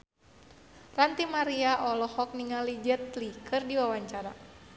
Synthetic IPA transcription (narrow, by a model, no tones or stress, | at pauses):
rant̪imaɾiaʔɔlɔhɔk̚niŋalid͡ʒɛt̪likʰɨrdiwawaɲt͡ʃaɾa̰